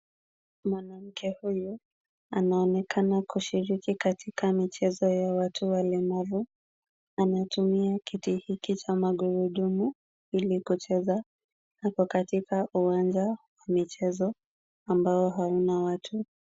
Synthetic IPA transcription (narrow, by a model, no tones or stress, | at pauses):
mwanam̩kʰɛhuju | anaɔnɛkanakuʃiɾikikatʰikamit͡ʃɛzɔjawatʰuwalɛmavu | anatumiakitihikit͡ʃamaɠuɾuɗumu | ilikut͡ʃɛza | hapɔkatikaʔuwand͡ʒawamit͡ʃɛzɔ | ambaɔɦaunawatʰu